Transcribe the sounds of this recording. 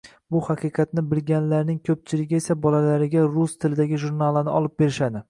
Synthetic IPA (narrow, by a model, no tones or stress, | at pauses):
bʊhɑqʰɨqʰɑt̪nɪbɪlɡʲanlaɾnɪŋkʲʰɵp̚t͡ʃʰɪlɪɡʲɪe̞sabɒlalaɾɪɡʲaɾʊst̪ʰɪlɪd̪aɡʲɪʒuɾnalˠanɪɒlˠɪp̚be̞ɾɪʃad̪ɪ